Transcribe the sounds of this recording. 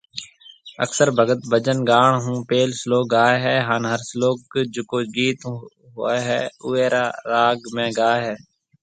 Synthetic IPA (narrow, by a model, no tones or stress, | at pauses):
ə̰ksəɾbʱəɡət̪bʱəd͡ʒənɡaːɳɦũːpeːlsloːk̚ɡaːeɦɛːɦaːnɦəɾsloːkd͡ʒʊkoːd͡ʒiːt̪ | ɦʊːeɦɛːʊːeːɾaːɾaːɡmẽːɡaːeɦɛː